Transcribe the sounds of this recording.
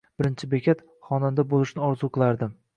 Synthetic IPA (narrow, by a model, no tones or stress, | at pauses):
b̥ɪɾɪnt͡ʃʰɪbekʲʰat̪ | χɒnand̪abolˠɪʃnɪɒɾzuqʰɨlˠaɾd̪ɪm